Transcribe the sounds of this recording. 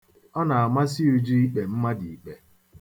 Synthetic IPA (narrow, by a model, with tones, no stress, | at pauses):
ɔ˦na˨a˨ma˦s̬ɪ˦u˦d͡ʒi˦i˦k͡pe˨m̩˦ma˦di˨i˨k͡pe˨